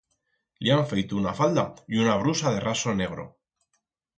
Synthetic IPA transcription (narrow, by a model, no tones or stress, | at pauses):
liaɱfejt̪ounafald̪aiunaβ̞ɾusaðe̞rʔaso̞ne̞ɣ̞ɾo̞̰